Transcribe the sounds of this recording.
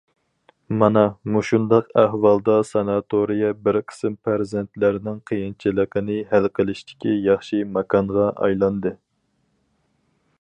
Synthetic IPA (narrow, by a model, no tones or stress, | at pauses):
mɑnɑmuʃund̪ɑqæhwɑlˠd̪ɑsɑnɑt̪ʰoɾijɛbɪɾkʲʰɪ̥sɪmpʰæɾzɛnt̪lɪɾɪnɪŋqʰəjint͡ʃʰilɪqʰənɪhælqʰəlˠɪʃt̪ʰɪ̥kʲijɑχʃimɑkʰɑnʁɑʔɑ̰jlˠɑnd̪ɨ